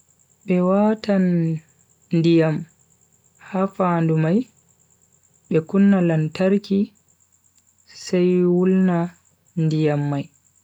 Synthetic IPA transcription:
ɓɛwaːtan | ndijam | hafandumaj | ɓɛkunːalantaɾki | sajwulna | ndijamːaj

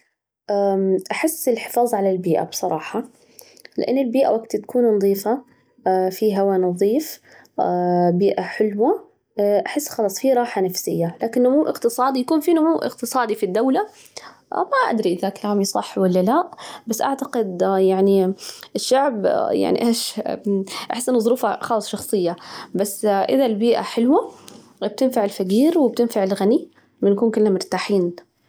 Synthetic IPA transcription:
ʔaʔaħɪsːɪlħɪ̥fɑːðˤʕalalbiːʔa̰bsˤɑɾˤɑːħɑ | lɪ̰ʔa̰nːɪlbiːʔa̰waɡt̪t̪ḁkʰuːnnɑðˤiːfa | fiɦawanɑðˤiːf | biːʔaħɪlwa | ʔaħɪsːxɑlɑːsˤfiːɾˤɑːħanafsɪjːalaːkɪnːʊmuːʔɪqt̪ɨsˤɑːd̪ijakuːnfiːnʊmuːʔɪ̰q̚t̪ɨsˤɑːd̪ifid̪ːawla̰ | maʔa̰d̪ɾiʔɪðakalaːmisˤɑħːwalːalaʔbasːʔaʕt̪aqɪd̪jaʕniʔɪʃːaʕbja̰ʕnḭʔeːʃ | ʔa̰ħɪsːʔɪnːʊðˤʊɾuːfaxɑːlɨsˤʃɑxsˤɨjːabasːʔɪðalbiːʔa̰ħɪlwa | b̥̚t̪ɪnfaʕɪlfaɡiːɾwɪb̚t̪ɪnfaʕɪlɣani | mɪnkuːnkɪlːamʊɾt̪aːħiːn

